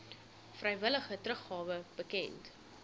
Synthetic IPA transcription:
frɛjvələχətɾəχɑːvəb̥əkɛnt

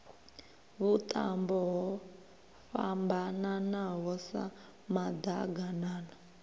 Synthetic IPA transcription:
βut̪ʼa̰mbɔɦɔ | fambananaɦɔsa̰ | mad̪a̰ɡanaːna

